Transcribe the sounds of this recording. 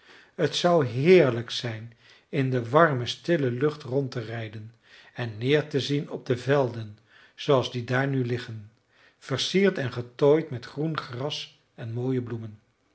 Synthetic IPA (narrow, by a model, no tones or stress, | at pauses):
ɦətsʌwɦɪːɹləksɛjn | ɪndəʋɑɹməstɪləlɵχtrɔntərɛjdən | ɛnːɪːɹtəzinɔb̚dəvɛlˠdən | z̥owɑlˠzdidaːɹnylɪχən | v̥əɹsiːɹtɛnχətojtmɛtχrunχrɑs | ɛnmoːjəblumən